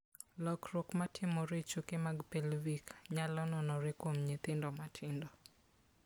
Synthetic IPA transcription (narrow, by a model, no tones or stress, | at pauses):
lɔkɾokmatʰɪmɔɾet͡ʃukemaɡpelvikɲalɔnɔnɔɾɪkwomɲɪt̪ɪndɔmatʰɪndɔ